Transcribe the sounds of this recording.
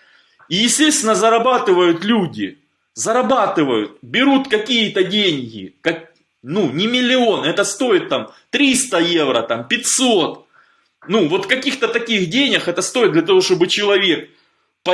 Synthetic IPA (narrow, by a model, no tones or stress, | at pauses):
ijɪsʲtʲest̪vʲɪnːəzɐɾɐbat̪ɨvəjʊt̪lʲudʲɪ | zɐɾɐbat̪ɨvəjʊ̰t̪̚bʲɪɾut̪kɐkʲijət̪ədʲenʲɡʲɪ̰kɐk | nunʲɪmʲɪlʲɪo̞nɛt̪əst̪o̞ɪt̪ːamt̪ɾʲist̪əje̞vɾə̰t̪ampʲɪtʲso̞t̪ | nuvo̞t̪kɐkʲixt̪ət̪ɐkʲixdʲenʲɪxɛt̪əst̪o̞ɪtd̪̚d̪lʲɐt̪ɐvo̞ʂt̪obɨt͡ɕɪlˠɐvʲe̞k̚ | p